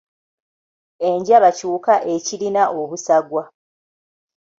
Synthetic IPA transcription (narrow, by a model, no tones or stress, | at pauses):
e̞ɲɟaβacuːkaʔe̞cilinaʔoβusaɡwa